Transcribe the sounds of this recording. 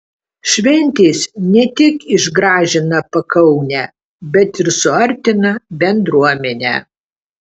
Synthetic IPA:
ʃʲʋʲɛnʲt̪ʲeːsnʲɛt̪ʲɪkɪʒɡɾɑːʒʲɪnɐpɐkɐʊnʲæ | bʲɛt̪ɪɾsʊɐɾʲt̪ʲɪnɐbʲɛnd̪ɾuɔmʲɛnʲæ̰ː

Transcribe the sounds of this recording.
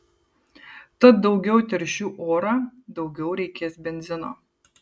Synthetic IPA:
t̪ɐt̪̚d̪ɒʊɡʲɛʊt̪ʲɛɾʲʃʲuːʔoːɾɑːd̪ɒʊɡʲɛʊɾʲɛɪkʲeːsbʲɛnʲzʲɪno̰ː

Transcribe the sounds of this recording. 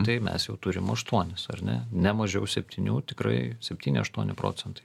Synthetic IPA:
t̪ɐɪmʲɛ̰sjɛʊt̪ʊɾʲɪmɐʃt̪uɔnʲɪsɐ̰rnʲɛ̰nʲɛmɐʒʲɛʊsʲɛpʲt̪ʲɪnʲuːt̪ʲɪkɾɐ̰ɪsʲɛpʲt̪ʲiːnʲɪɐʃt̪uɔnʲɪpɾo̰ːt͡s̪ʲɛnt̪ɐ̥ɪ

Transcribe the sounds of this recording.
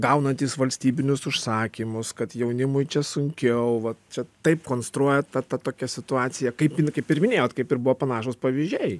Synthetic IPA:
ɡɐʊnɐnʲt̪ʲiːsʋɐlʲsʲt̪ʲiːbʲɪnʲʊsʊʃsɑːkʲimʊskɐt̪jɛʊnʲɪmʊɪt͡ʃʲɛsʊŋʲkʲɛʊʋɐt̪t͡ʃʲɛt̪ɐɪpkoːnst̪ɾuɔjɛt̪ɐt̪ɐt̪oːkʲɛsʲɪt̪ʊɑːt͡s̪ʲɪjɛkɐɪpɪnkɐɪpɪɾmʲɪnʲeːjoːt̪kɐɪpɪɾbʊʋoːpɐnɑːʃoːspɐʋʲɪzʲʒʲɛɪ

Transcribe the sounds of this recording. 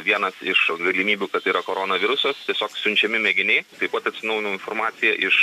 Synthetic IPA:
ʋʲiɛnɐsɪʃɡɐlʲɪmʲiːbʲukɐt̪iːɾɐkoːɾoːnɐʋʲɪɾʊsost̪ʲiɛsʲoːksʲʊnʲt͡ʃʲɛmʲɪmʲɛɡʲɪnʲɛɪt̪ɐɪpɐt̪ɐt̪ʲsʲɪnɐʊjɪnoʊɪnformɑːtsʲɪjɛʔɪʃ

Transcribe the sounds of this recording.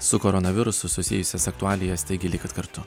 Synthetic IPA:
sʊkoɾɔnɐʋʲɪɾʊsʊsʊsʲɪ̰jʊsʲɛsɐk̚t̪ʊɑːlʲɪjɛst̪ɐɪɡʲɪlʲɪkɐt̪kɐɾt̪ʊ

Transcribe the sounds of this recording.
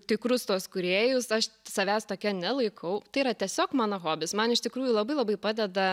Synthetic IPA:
t̪ʲɪkɾʊst̪uɔskʊɾʲeːjʊsɐʃsɐʋʲæːst̪oːkʲɛnʲɛlˠɐɪkʰɐʊt̪ɐɪiɾɐt̪ʲiɛsʲoːkmɑːnoɣoːbʲɪsmɐnɪʃt̪ʲɪkɾuːjulˠɐbɐɪlˠɐbɐɪpɑːd̪ʲɛd̪ɐ

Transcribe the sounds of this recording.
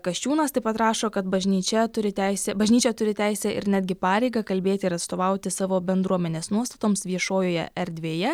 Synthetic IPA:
kɐʃʲt͡ʃʲuːnɐst̪ɐɪpɐt̪ɾɑːʃoːkɐt̪bɐʒʲnʲiːt͡ʃʲɛt̪ʊɾʲɪt̪ʲæɪsʲɛbɐʒʲnʲiːt͡ʃʲɛt̪ʊɾʲɪt̪ʲæˑɪsʲɛɪ̰ɾnʲæːd̪ʲɡʲɪpɑːɾʲɛɪɡɐkɐlʲbʲeːt̪ʲɪɪɾɐt̪st̪oːʋɐʊt̪ʲɪsɑːʋoːbʲɛnd̪ɾuɔmʲɛnʲeːsnuɔst̪ɐt̪oːmsʋʲiɛʃoːjoːjɛ̰ɛɾʲd̪ʲʋʲeːjɛ

